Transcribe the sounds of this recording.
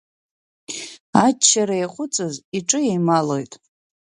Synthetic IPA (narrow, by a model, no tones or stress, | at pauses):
at͡ʃʰːaɾaeχʷʊt͡sʼɨziʈ͡ʂʼɨjejmalo̞jtʼ